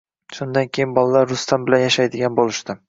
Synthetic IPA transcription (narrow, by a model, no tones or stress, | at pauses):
ʃʊnd̪ankʲʰejɪnbɒlˠalaɾːʊst̪ʰambɪlanjaʃajd̪ɪɡʲanbolɪʃt̪ɪ